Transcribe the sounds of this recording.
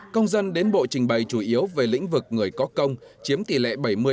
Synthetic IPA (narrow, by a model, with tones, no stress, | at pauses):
kə˧wŋ͡mzə˧nɗe˨˦nɓo̰˧˨t͡ɕï˨˩ŋ̟ɓə˨˩jt͡ɕu˧˩ʔi˨˦əwve˨˩lḭ̈˧˥ŋ̟vɨ˨˩k̚ŋɨ˨˩əjkɔ˨˦kə˧wŋ͡mt͡ɕi˨˦əmt̪i˧˩lḛ˧˨ɓə˧˩jmɨ˧